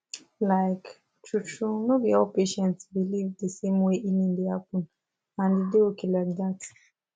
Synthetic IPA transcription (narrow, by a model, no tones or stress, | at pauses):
laɪk | t͡ʃut͡ʃunobiɔlpeʃɛ̃ntsbilivdəsẽmweʔinĩndɪhap̚ũn | ãndɪdeokʰiladat